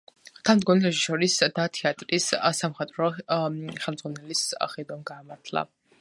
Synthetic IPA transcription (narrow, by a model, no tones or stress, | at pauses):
t̪ʰamd̪ɡɔnilɛʒiʃɔɾisd̪at̪ʰiat̪ʼɾissamχɛt̪ʼɾɔ | χɛlˠmd̪zʁwanɛlisχɛd̪ɔmɡaːmaɾt̪ʰlˠa̰